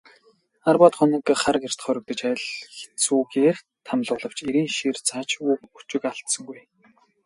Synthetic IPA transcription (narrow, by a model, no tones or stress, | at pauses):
arpaːt̪χʊnĭkχaɾə̆ker̥t̪̆χœɾʲɪ̆k̚t̪ə̆t͡ɕaj̆ɮxe̥t̪suːɣeːr | t̪ʰamɮʊːɮə̆w̥t͡ɕeɾiːnʃirt͡sʰaːt͡ɕuːkut͡ɕɪ̆kaɬt̪sə̆ŋɡuj